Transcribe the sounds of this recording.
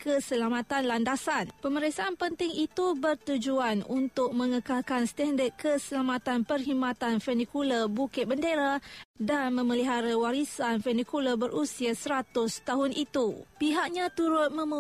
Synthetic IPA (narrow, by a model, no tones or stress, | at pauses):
kəsəlamãt̪anlandasanpəməɾɛsaːnpənt̪ɪŋit̪ubərt̪ud͡ʒuanṵnt̪ʊk̚mə̃ŋəkalkanst̪ɛndət̪̚kəsəlamat̪anpərɦimãt̪anfɛnikuləbukɪt̪̚bəndeɾadanmə̃məliɦaɾawaɾisanfɛnikuləbəɾʔusiasəɾat̪ʊst̪aɦʊnʔit̪upiɦaʔ̚ɲãt̪uɾʊt̪̚mə̃m